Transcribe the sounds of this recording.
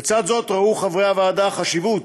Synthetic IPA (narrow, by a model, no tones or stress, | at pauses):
t͡sad̪zo̞tʁauχavʁeavaːdaχaʃivut